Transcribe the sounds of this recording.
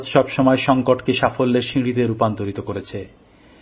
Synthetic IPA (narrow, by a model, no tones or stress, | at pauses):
d͡ʑʃɔbʃɔmɔeʃɔŋkoʈkeʃafolːeɾʃiɽid̪eɾupant̪oɾit̪okoɾet͡ɕʰe